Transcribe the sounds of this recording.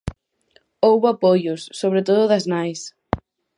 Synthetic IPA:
owβoapojʊsːoβɾet̪oðʊðɐznajs

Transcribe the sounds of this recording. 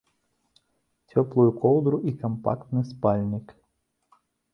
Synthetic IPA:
tʲɔplˠujukɔw̪ˠd̪ɾʊʔikɐmpa̰kt̪nɨspalʲnʲɪk

